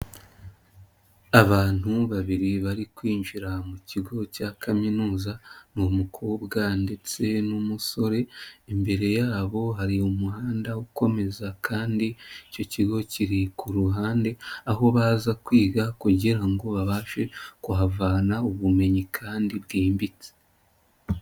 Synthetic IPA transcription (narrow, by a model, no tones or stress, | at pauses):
aβaːn̥huβaβiɾiβaɾikwiːɲʒiɾamuciɡo̞cakʰaminuːzanumukʰoβɡande̞t͡se̞numuso̞ɾe̞ːmbe̞ɾe̞jaːβo̞ɦaɾiumuhaːndauko̞me̞zakʰaːndiico̞ciɡo̞ciɾikuɾuɦaːnde̞aɦo̞βaːzakwiːɡakuɟiɾaŋɡo̞βaβaːʃe̞kuɦavaːnauβume̞ɲikʰaːndiβɡiːmbit͡se̥